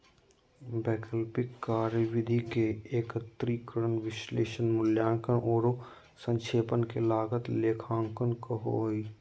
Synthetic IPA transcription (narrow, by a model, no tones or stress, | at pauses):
bɛːkəlpɪkːaːɾjəʋɪd̪ʱikeeːkət̪ɾiːkəɾənʋɪʃleːʃənmʊljaːŋkənʔoːɾo | sə̃ŋʃʰeːpənkelaːɡət̪leːkʰãːŋkənkəɦo̰iː